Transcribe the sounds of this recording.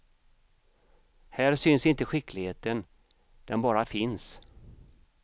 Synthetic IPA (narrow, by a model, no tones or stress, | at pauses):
hæːɾsʏnsɪnt̪əɧɪklɪɡheːt̪ən | d̪̥ɛnbɑːɾafɪns